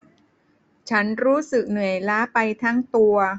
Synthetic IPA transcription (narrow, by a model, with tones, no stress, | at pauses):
t͡ɕʰa˦˥nɾuː˦˥sɯ˨˩k̚nɯ˨˩əjlaː˦˥pa˧jt̪ʰa˦˥ŋt̪u˧ɐ